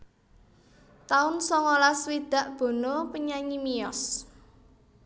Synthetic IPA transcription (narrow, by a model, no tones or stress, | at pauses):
t̪aʊnsɔŋolaswid̪̥a̤ʔb̥o̤nopəɲaɲimijɔs